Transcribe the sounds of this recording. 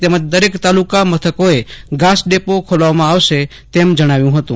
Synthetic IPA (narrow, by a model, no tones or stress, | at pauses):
t̪emət͡ʃd̪əɾekt̪aːlukamət̪ʰəkoeɡaːsɖepokʰolaʋmãaːʋse | t̪eːmd͡ʒəɽ̃aːʋjũɦət̪ṵ̃ː